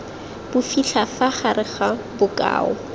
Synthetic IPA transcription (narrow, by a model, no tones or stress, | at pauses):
b̥ʊfiɬʰafaχarɪχabʊkʼa̰ːɔ̰